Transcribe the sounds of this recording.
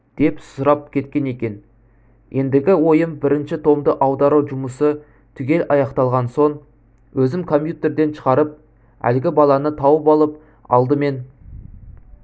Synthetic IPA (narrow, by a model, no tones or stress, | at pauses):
d̪̥e̞psʊɾɑp̚kʲʰe̞t̪kʲe̞ne̞kʲe̞n | je̞nd̪ɪɡʲɪwo̞jəmbɪɾɪnʃɪt̪ʰo̞md̪əʔɑwd̪ɑɾuwʒʊməsə | t̪ʰʏɡʲe̞lʔɑjɑqt̪ɑlˠʁɑnso̞ɴ | wʔɵzɪmkʰo̞mpʲjut̪e̞ɾd̪e̞nʃə̥ʁɑɾəp̚ | æ̰lɡʲɪbɑlˠɑnət̪ʰɑwəpɑlˠəp̚ | ɑ̰lˠd̪əme̞n